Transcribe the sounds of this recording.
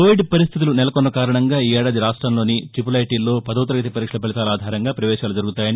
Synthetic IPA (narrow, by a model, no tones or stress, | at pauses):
koːʋiɖpɐɾist̪ʰit̪ulunɛlɐkɔnːɐkaːɾɐɳɐŋɡaːiːɛːɽaːd̪iɾaːʂʈɾɐmlo̞ːniʈip̬ulɐjʈiːlːo̞ːpɐd̪ɐːwt̪ɐɾɐɡɐt̪̬ipɐɾiːkʂɐlɐpeɭit̪aːlaːd̪ʱaːɾɐŋɡaːpɾɐʋɛːʃaːlud͡ʒɐɾuɡut̪aːjɐni